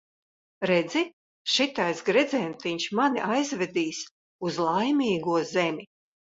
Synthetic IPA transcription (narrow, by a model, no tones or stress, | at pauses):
ɾɛd̪zi | ʃit̪ajsɡɾɛd̪zɛjmt̪iɲʃmaniʔajzvʲɛd̪iːs | uzlˠajmʲiːɡuɔzɛmʲi